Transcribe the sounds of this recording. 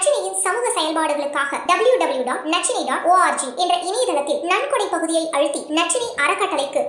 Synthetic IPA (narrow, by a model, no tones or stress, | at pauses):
t͡ʃːɪnijɪnsɐmuːɣɐsɐjɐlpaːɽɯɣɐɭɯkːaːɣɐɖɐbɐljuɖɐbɐljuɖaːʈnɐt͡ʃːɪniɖaːʈoːaːɾd͡ʒiʔɛndrɐʔɪniːðɐlɐt̪ːɪlnɐɳkɔɽipɐɣɯðɪjɐɪʔɐɻɯt̪ːinɐʈ̚t͡ʃːɪniʔɐɾɐkːɐʈːɐlɪkːɯ